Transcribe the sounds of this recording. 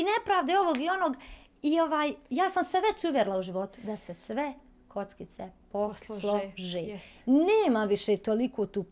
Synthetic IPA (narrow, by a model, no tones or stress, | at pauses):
inepɾaːʋd̪eo̞ʋoɡio̞no̞ɡ | io̞ʋaːjjaːsamseʋe̞t͡ɕuʋjeɾlauʒiʋo̞t̪u̥d̪asesʋe | kʰo̞t̪skit̪seposlˠoʒeːneːmamʋiʃet̪olikʰoːt̪uːp